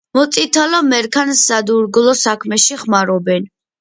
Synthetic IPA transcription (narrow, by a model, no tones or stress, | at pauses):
mɔt̪sʼit̪ʰalɔmɛɾkʰansad̪uɾɡlɔsakʰmɛʃiχmaɾɔbɛn